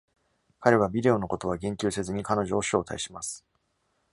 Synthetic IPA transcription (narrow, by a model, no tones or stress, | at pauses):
kaɾe̞β̞abʲid̪e̞o̞no̞ko̞t̪o̞β̞aɡẽ̞ŋkʲɨːse̞zɨɲ̟ikano̞ʑo̞ːɕo̞ːt̪aiɕimasɨ̥